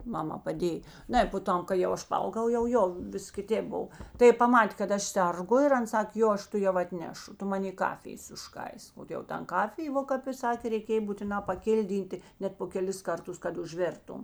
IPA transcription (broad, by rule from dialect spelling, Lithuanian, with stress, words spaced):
ˈmɑːmɑː pɐˈdʲeːj ˈnɐɪ poː ˈtɐm kɐɪ jɛʊ ˈɐʃ pɐˈɐʊɡɐʊ jɛʊ ˈjoː ˈʋʲɪs kʲɪˈtʲeːp ˈboːw tɐɪ ˈjɪ pɐˈmɑːtʲeː kɐt ˈɐʃ ˈsʲɛrˌɡʊ ɪr ˈɐn ˈsɑːkʲeː ˈjoː ˈɐʃ tʊˈjɛʊ ɐtʲˈnʲæːʃʊ ˈtʊ ˈmɑːnʲeː ˈkɑːfʲɪjeːs ʊʃˈkɐɪsk oː jɛʊ ˈtɐn ˈkɑːfʲɪjeː ˈʋoː kɐp ɪ ˈsɑːkʲeː rʲɛɪˈkʲeːj buːtʲɪˈnɑː pɐˈkʲɪlʲˌdʲiːnʲtʲeː ˈnʲɛt poː kʲɛˈlʲɪs ˈkɐrˌtʊs kɐt ʊʒʲˈʋʲeːrtʊm